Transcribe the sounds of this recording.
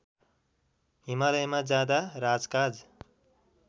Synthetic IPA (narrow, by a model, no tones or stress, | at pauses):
ɦimalʌjmad͡zjad̪aɾad͡zkad͡z